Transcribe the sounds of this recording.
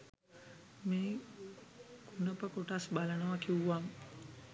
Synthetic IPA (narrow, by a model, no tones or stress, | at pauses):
miː | kunəpəkoʈasbalənəʋakiuʋaŋ